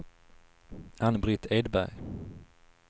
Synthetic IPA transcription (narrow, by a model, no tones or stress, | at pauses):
hanbɾɪt̪ʰɛd̪bæ̰ɾ